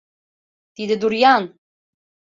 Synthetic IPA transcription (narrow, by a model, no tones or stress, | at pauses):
t̪id̪ɘd̪uɾjɑn